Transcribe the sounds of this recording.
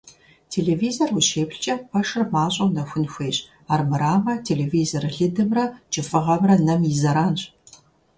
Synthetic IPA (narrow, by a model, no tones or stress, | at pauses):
tʰeːɮeːviːzorwuʃeːpɬt͡ʃʼɐpʰɐʂɨrmaːɕʼɐwnɐxʷʊnxʷeːɕʼ | aːrmɨɾaːmɐtʰeːleːviːzorɮɨdɨmrɐt͡ʃʼɪfʼɨʁɐmrɐnɐmjɪzɐɾaːnɕʼ